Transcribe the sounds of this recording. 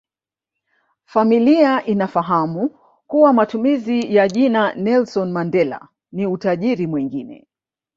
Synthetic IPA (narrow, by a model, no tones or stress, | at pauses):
familiaʔinafaɦamu | kuwamatumizijaʄinanɛlsɔnmandɛla̰ | niutaʄiɾimwiŋɡinɛ̰